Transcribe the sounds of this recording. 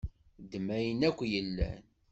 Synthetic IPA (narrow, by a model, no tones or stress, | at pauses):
d̪mæjənækʷːjəlːæ̰n